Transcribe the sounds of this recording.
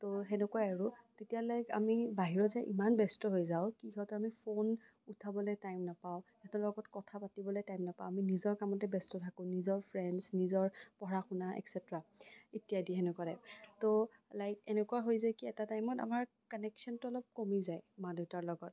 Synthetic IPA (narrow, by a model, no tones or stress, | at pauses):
toɦɛnɛkuwaaɹʊtetijalajka̰mibaɦiɹɔzɛʔḭmanbɛstɔɦojzaʊkihɔtɔɹamipʰon | utʰabɔlojtajmnapaʊ | ɛtɔlɔɡɔtkɔtʰapatibɔlojtajmnapaʊ̃aminizɔɹkamɔtɛbɛstɔtʰakʊ̃nizɔɹpʰɹɛndsnizɔɹpɔɹaxunaʔɛ̰ksɛtɹaitijadiɦɛnɛkalɛtolajkɛnɛkuaɦojzajkiɛtatajmɔta̰maɹ | kɔnɛksɔntʊɔlɔp̚komizajmadɔtaɹlɔɡɔt̚